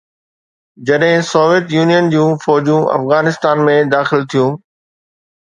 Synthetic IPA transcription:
d͡ʑɐɗɦɪ̃sɔːʋijət̪juːnijənd͡ʑũːfɔːd͡ʑũʔɐ̰fɣaːnɪst̪aːnmẽd̪aːxɪlt̪ʰijũː

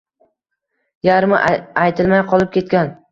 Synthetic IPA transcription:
jaɾmaʔajt̪ʰɪlˠmajqʰɒlˠɪp̚kʲe̞t̪̚kʲan

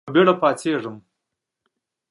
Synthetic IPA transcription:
beɽapɑt͡seʐəm

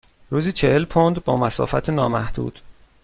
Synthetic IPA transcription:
ɾuːziːt͡ʃʰehelpʰond̪bɒːmæsɒ̰ːfæt̪ʰenɒːmæhd̪̥ṵːd̪̥

